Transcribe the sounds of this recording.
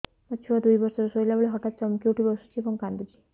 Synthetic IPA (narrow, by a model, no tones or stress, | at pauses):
mət͡ʃʰuʋad̪ujbɔɾsɔɾusojlaboɭeɦɔʈat̪̚t͡ʃɔmkiuʈʰibɔsu̥t͡ʃʰiebɔŋkand̪ut͡ʃʰi̥